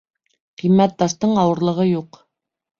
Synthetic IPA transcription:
qimːæt̪̚d̪ɑʃt̪ɤɴɑwɤ̆ɾlˠɤ̆ʁɤjuq

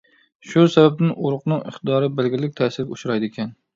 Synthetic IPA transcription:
ʃusɛbɛb̚nɪnʔuɾʊqnɨŋɪχ̚d̪ɑːɾɨbɪlɡʲɪɾɪlɪk̚ʲt̪ʰɛːsɪɾʲuʃɾɑjd̪ɪkʲʰɛn

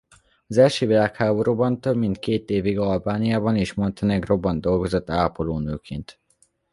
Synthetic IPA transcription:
ɒzɛlʃøːvilaːkhaːboɾuːbɒnt̪øbmint̪keːt̪eːviɡɒlbaːnijaːbɒniʃmont̪ɛnɛɡro̞bːɒnd̪o̞lɡo̞zot̪ːaːpoloːnøːkʰeːnt̪

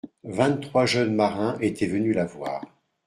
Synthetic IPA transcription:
vɛ̃t̪t̪ːχwaʒœnmaʁɛ̃ʔet̪ʰɛvənylavwa̰ːʁ

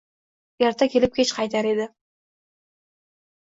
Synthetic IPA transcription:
jaɾt̪ʰakʲʰe̞lɪp̚kʰʲet͡ʃqʰɑjt̪ʰaɾed̪ɪ

